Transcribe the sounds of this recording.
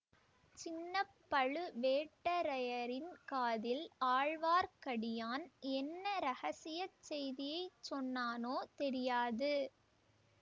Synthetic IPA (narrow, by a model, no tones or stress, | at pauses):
t͡ʃɪnːɐpːɐɻɯʋeːʈːɐɾɐjɐɾɪnkaːðɪlaːɻʋaːɾkɐɽɪjaːnɛnːɐɾɐɣɐsɪjɐt͡ʃsɛjðɪjɐɪt͡ʃːɔnːaːnoːt̪ɛɾɪjaːðɯ